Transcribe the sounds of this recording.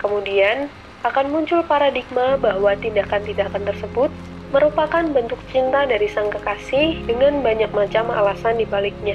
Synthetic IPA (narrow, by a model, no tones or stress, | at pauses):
kəmudian | ʔakanmuɲt͡ʃʊlpaɾadik̚mabaɦwat̪indakant̪indakant̪ərsəbʊt̪̚ | məɾupakanbənt̪ʊk̚t͡ʃint̪adaɾisaŋkakasɪhdəŋanbaɲak̚mat͡ʃama̰lasandibalɪk̚ɲa